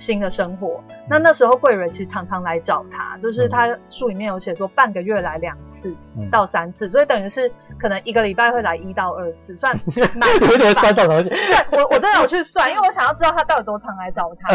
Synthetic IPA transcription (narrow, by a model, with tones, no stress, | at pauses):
ɕi˥nd̪ə˨ʂə˥ŋxwɔ˨˩˦na˥˧na˥˩ʂɻ̩˧˥xo˥˧ʊkwe˥˩ɪɻə˧˥nt͡ɕʰi˧˥ʂ̩˧ʈ͡ʂʰɑ˧˥ŋʈ͡ʂʰɑ˧˥ŋla˧˦ɪʈ͡ʂɑ˨˩ʊt̪ʰa̰˥t͡ɕjo˥˧ʊʂ̬ɻ̩˥˩t̪ʰa˦˥ʂu˥˩li˨˩mjɛ˥˩njo˧˥ʊɕjɛ˨˩t͡swɔ˥˧pa˥˩nɡə˩ɥɛ˥˩la˧˦ɪljɑ˨˩ŋt͡sʰɹ̩˥˩t̪ɑ˥˩ʊsa˦nt͡sʰɹ̩˥˩swɔ˧˥i˨˩t̪ə˨˩ŋy˧˥ʂɻ̩˥˩kʰɤ˨˩nə˧˦ŋi˧˥ɡə˧li˨˩pa˥˧ɪxwe˥˩ɪla˧˥ɪi˦t̪ɑ˥˧ʊə˥˧t͡sʰɹ̩˥˩swa˥˩nma˨˥e˧˥˨t͡sɑ˨˩o˥ŋɕi˧a˥˩wɔ˨˩wɔ˨˩ʈ͡ʂə˥nd̪jo˨˩t͡ɕʰy˥˧swa˥˩ni˥we˥˧wo˧˦ɕjŋjɑ˥˩ʈ͡ʂɻ̩˥tɑ˥˩ʊt̪ʰa˥t̪ɑ˥˩ʊə˩t̪wɔ˥ʈ͡ʂʰɑ˧˥ŋla˧˦ɪʈ͡ʂɑ˨˩ʊt̪ʰa˦˥